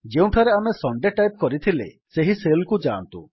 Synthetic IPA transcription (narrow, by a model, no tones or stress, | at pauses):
d͡ʒeũʈʰaɾeamesɔɳɖeʈajp̚kɔɾit̪ʰilḛ | seɦiselkud͡ʒant̪ṵ